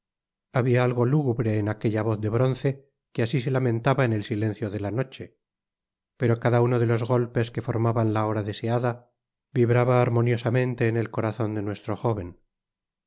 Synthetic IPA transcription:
aβiaalɣo̞luɣuβɾe̞ːnakeʎaβo̞θðe̞βɾo̞nθe̞ | keasis̬e̞lamẽ̞nt̪aβaenelsile̞n̟θjo̞ðe̞lano̞t͡ʃe̞ | pe̞ɾo̞kaðauno̞ðe̞lo̞zɣo̞lpe̞ske̞fo̞ɾmaβanlao̞ɾaðe̞se̞aða | βiβɾaβaːɾmo̞njo̞samẽnt̪e̞ːne̞lko̞ɾaθo̞nd̪e̞nwe̞st̪ɾo̞xo̞βe̞n

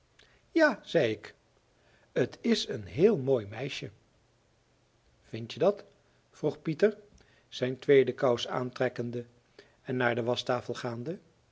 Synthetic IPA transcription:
jaːz̥ɛjɪk | ətʰɪsənɦɪːlˠmoːjmɛjʃə | v̥ɪntjədɑt | fruχpitəɹ | z̥ɛjntʋejdəkɑwsa̰ːntrɛkəndə | ɛnːaːɹdəʋɑstaːfəlˠχaːndə

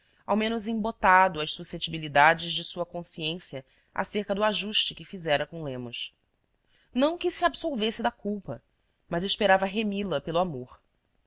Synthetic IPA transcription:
awmẽnʊzẽbot̪ad̪ʊɐʃsuset͡ʃibilid̪ad͡ʒɪʒd͡ʒɪsuɐkõsiẽsjɐ | a̰seɾkɐd̪ʊaʒuʃt͡ʃɪkɪfizɛɾɐkõlẽmʊs | nɐ̃w̃kɪsiabsoɾvesɪd̪ɐkuwpɐ | mɐzɪʃpeɾavɐɦemilɐpelʊamoχ

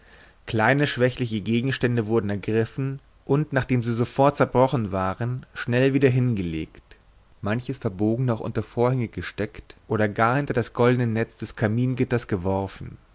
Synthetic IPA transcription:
kl̥aɪnəʃv̥ɛçlɪçəɡeːɡŋ̩ʃtɛndəvʊɐdn̩ɛɐɡʁɪfn̩ | ʔʊntnaːχd̥eːmziːzofɔɐt̚t͡sɛɐbʁɔχn̩vaːʁənʃnɛlviːdɐɦɪnɡəlḛːkt | mançəsfɛɐboːɡŋ̩nɔχʔʊ̰ntɐfoːɐhɛŋəɡəʃtɛktʔoːɾɐɡaːɐhɪntɐdasɡ̥ɔldənənɛt͡sd̥ɛskʰamiːnɡɪtɐsɡ̥əvɔɐfn̩

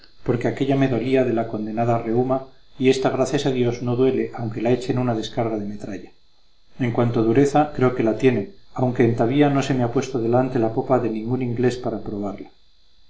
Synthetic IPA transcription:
po̞ɾke̞ake̞ʎame̞ðoliaðe̞lako̞nd̪e̞naðare̞uma | ie̞st̪azɣ̞ɾaθjasaðjo̞zno̞ðwe̞le̞ʔawŋke̞lae̞t͡ʃenunað̞e̞skaɾɣað̞e̞me̞t̪ɾaʎa | e̞ŋkwant̪o̞ðuɾe̞θakɾe̞o̞ke̞lat̪je̞ne̞awŋkeːnt̪aβiano̞se̞meapwe̞st̪oð̞e̞lant̪e̞lapo̞paðe̞nĩŋɡunĩŋɡle̞spaɾapɾo̞β̞aɾla

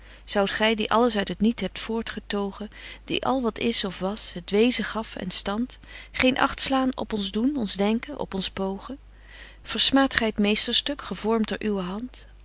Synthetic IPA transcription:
z̥ɑwtχɛjdiʔɑləsœɥtɦətnitɦɛp̚tfʊːɹtχətowχəd̥ḭʔɑ̰lˠʋɑtɪsɔfʋɑsɦətʋejzəχɑfɛ̰nstɑntχejnʔɑ̰χtslaːnɔ̰pɔnzdunɔnzdɛŋkənʔɔ̰pɔnspowχə | v̥əɹsmaːtχɛjətmejstəɹstɵkχəvɔɹmdʊːɹʔywəɦɑnt

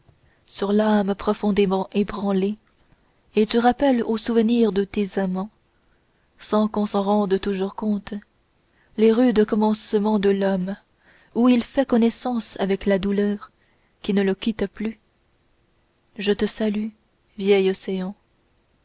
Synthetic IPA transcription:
syʁlampχɔfɔ̃d̪emɑ̃ʔebʁɑ̃le | et̪yʁapɛlosuvəniʁd̪ət̪ezamɑ̃ | sɑ̃kɔ̃sɑ̃ʁɑ̃d̪t̪uʒuʁkɔ̃t̪ | leʁyd̪əkɔmɑ̃smɑ̃d̪əlɔm | uilfɛkɔnɛsɑ̃savɛklad̪ulœːʁ | kʲinələkʲit̪ply | ʒət̪əsaly | vjɛjɔseɑ̃

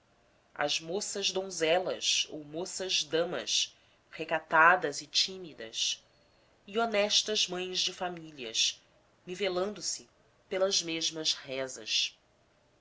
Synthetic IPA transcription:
ɐ̰zmosɐʒd̪õzɛlɐ̰so̰wmosɐzd̪ɐ̃mɐ̰s | hekat̪ad̪ɐzɪt͡ʃimid̪ɐ̰s | ionɛʃt̪ɐzmɐ̃j̃zd͡ʒɪfamiliɐ̰ʃ | nivelɐ̃nd̪ʊsɪ | pelɐzmeʒmɐʃhɛzɐ̰s

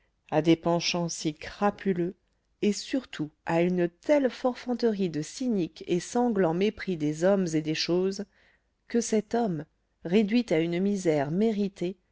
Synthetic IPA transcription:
ad̪epɑ̃ʃɑ̃sikχapʰylø | esyʁt̪ʰuaynt̪ɛlfɔʁfɑ̃t̪əʁid̪əsinikesɑ̃ɡlɑ̃mepχid̪ezɔmzed̪eʃoz | kəsɛt̪ɔm | ʁed̪ɥit̪aynmizɛʁmeʁit̪e

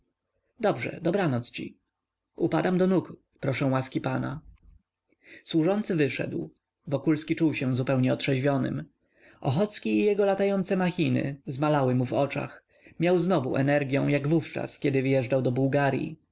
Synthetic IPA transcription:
d̪ɔbʐɛ̰d̪ɔbɾanɔt̪st͡ɕḭ | upad̪amd̪ɔnuk | pɾɔʂɛ̃w̃waskʲipana | swuʐɔnt̪sɘvɘʂɛ̰d̪w | vɔkulskʲit͡ʂuwɕɛ̃zupɛwɲɛɔtʂɛʑvʲjɔnɘ̰m | ʔɔxɔt̪skʲiːjɛɡɔlat̪ajɔnt̪sɛmaxʲinɘ̰zmalawɘmuvɔt͡ʂa̰x | mʲjawznɔvṵʔɛ̰nɛɾɡʲjɛ̰̃w̃jaɡvuft͡ʂa̰skʲɛd̪ɘvɘjɛʐd͡ʐawd̪ɔbuwɡaɾʲjḭ

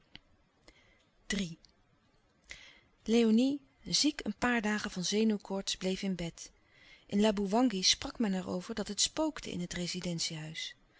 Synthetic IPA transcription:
d̥ri | lejoni | zikənpaːɹdaːχəvɑnzejnuwkʰɔɹtsblejfɪnbɛt | ʔɪnlaːbuʋɑŋɡisprɑkmɛnɛɹo̰wvəɹdɑtɦətspowktə̰ʔɪ̰nɦətrejzidɛntsiɦœɥs

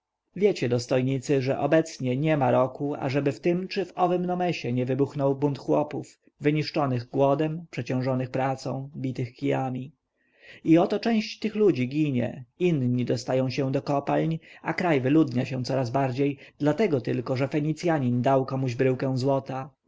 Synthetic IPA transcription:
vʲjɛt͡ɕɛd̪ɔst̪ɔjɲit̪sɘʐɛ̰ʔɔbɛt̪sɲɛɲɛmaɾɔkua̰ʐɛbɘft̪ɘmt͡ʂɘvɔvɘmnɔmɛɕɛɲɛvɘbuxnɔwbunt̪xwɔpuf | vɘɲiʂt͡ʂɔnɘɣɡwɔd̪ɛmpʂɛt͡ɕɔ̃w̃ʐɔnɘxpɾat̪sɔ̃w̃bʲit̪ɘxkʲijamʲi | iɔt̪ɔt͡ʂɛ̃w̃ɕt͡ɕt̪ɘxlud͡ʑiɡʲiɲɛ̰inɲid̪ɔst̪ajɔ̃w̃ɕɛ̃d̪ɔkɔpalɲʔakɾajvɘlud̪ɲaɕɛ̃t̪sɔɾazbaɾd͡ʑejd̪̥lat̪ɛɡɔt̪ɘlkɔʐɛfɛɲit̪sʲjaɲind̪awkɔmuʑbɾɘwkɛ̃w̃zwɔt̪a

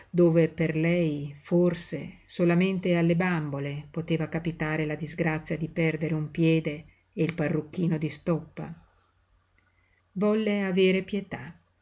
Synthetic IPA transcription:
d̪oːveperlɛjforsesolament̪ealːebambolepot̪eːvakapit̪aːɾelad̪izɡɾat̪sːjad̪ipɛrd̪eɾeumpjɛːd̪eː | ilparːukːiːnod̪ist̪ɔpːa̰ | vɔlːeaveːɾepjet̪a

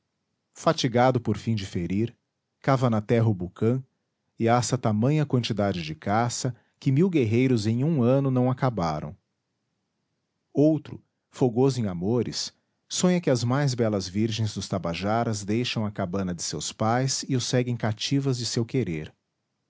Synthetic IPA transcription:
fat͡ʃiɡad̪ʊpoɾfĩd͡ʒɪfeɾiɾ | kavɐnɐt̪ɛɦɐʊbukɐ̃ | ɪasɐt̪amɐ̃j̃ɐkwɐ̃nt͡ʃid̪ad͡ʒɪd͡ʒɪkasɐ | kɪmiwɡeɦejɾʊzẽj̃ũɐ̃nʊnɐ̃w̃akabaɾɐ̰̃w̃ | owt̪ɾʊ̰ | foɡozʊẽj̃amoɾɪ̰sː | õɲɐkɪɐzmajzbɛlɐzviɾʒẽj̃zd̪ʊst̪abaʒaɾɐzd̪ejʃɐ̃w̃ɐkabɐ̃nɐd͡ʒɪsḛwspajsɪʊsɛɡẽj̃kat͡ʃivɐzd͡ʒɪsewkeɾeɾ

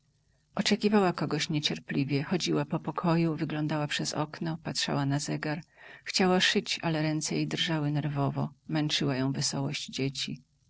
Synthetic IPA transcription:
ʔɔt͡ʂɛkʲivawakɔɡɔɕɲɛt͡ɕɛɾplʲivʲjɛxɔd͡ʑiwapɔpɔkʰɔjuvɘɡlɔnd̪awapʂɛzɔ̰knɔpatʂa̰wanazɛɡaɾxt͡ɕawaʂɘt͡ɕalɛɾɛnt̪sɛjejd̪rʐawɘnɛɾvɔvɔmɛnt͡ʂɘwajɔ̃w̃vɘsɔwɔɕd͡ʑd͡ʑet͡ɕi

